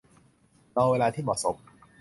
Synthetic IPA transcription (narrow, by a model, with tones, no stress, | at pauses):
ɾɔː˧weː˧laː˧t̪ʰiː˥˩mɔ̰ː˨˩so˨˦p̚